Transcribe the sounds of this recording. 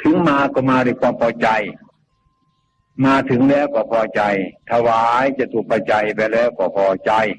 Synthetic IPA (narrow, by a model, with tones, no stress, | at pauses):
t̪ʰɯ˨˦ŋmaː˧kɔː˧˩maː˧du˧˩˨kʰwaː˧˥˨mpʰɔː˧t͡ɕa˧j | maː˧t̪ʰɯ˨˦ŋlɛː˧˥˨wkɔː˧˩pʰɔː˧˩t͡ɕa˧jt̪ʰa˧waː˧˦jt͡ɕa˧˩t̪ʰuː˧˩k̚pʰaː˧˩t͡ɕa˧˩jpɛː˧lɛː˧˩˨wkɔː˧˩pʰɔː˧˩t͡ɕa˧j